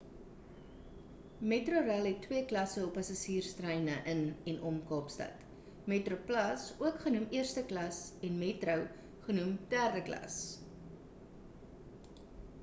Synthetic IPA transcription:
metruɾælˠɦɛtːwiəklɐsəɔpːɐsɑsiːrstrəjnəʔənɛnʔɔmkɑːpstɐ̰t | metroplɐsuəkχənumiərstəklɐsɛnmetrəw | χənumd̥ærdəklɐ̰s

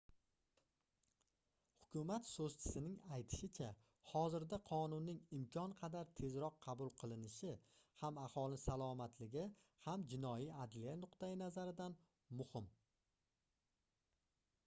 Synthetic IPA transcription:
hʊkʰʲʊmat̪sozt͡ʃʰɪ̥sɪnɪŋajt̪ʰɪ̥ʃɪt͡ʃʰa | hɒzɪɾd̪aqʰɒnʊnːɪŋɪmkʲʰɒnqʰɑd̪aɾt̪ʰe̞zɾɒqʰːɑbʊlˠqʰɨlˠɪnɪʃɪhamahɒlˠɪsalˠɒmat̪ʰlɪɡʲɪhamd͡ʒɪnɒjiad̪lijanʊqt̪ajɪnazaɾɪd̪an | mʊhɪm

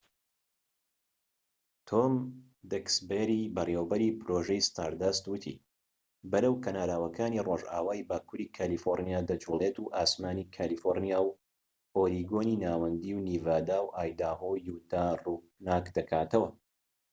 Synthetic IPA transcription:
t̪ʰom | d̪ɛksbeɾibɐreːwbɐɾiːpɾoʒɛjst̪aːɾd̪ɐst̪wɨt̪ʰḭ | bɐɾəwkʰɐnaːlaːwɐkʰaːniroːʒa̰ːwaːjbaːkuːɾiːkʰaːlifoɾnijaːd̪ɐd͡ʒulet̪uʔaːsmaːnikʰaːlifoɾnijaːw | oːliɡoːniːnaːwɐnd̪iːwniːvaːd̪aːwʔaːjd̪aːhojuːt̪aːruː | naːkd̪ɐkʰaːt̪ɐwɐ

